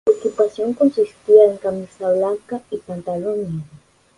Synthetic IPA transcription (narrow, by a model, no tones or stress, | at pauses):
okipasjoŋkonsist̪iaeŋkamisaβlaŋkaipant̪alona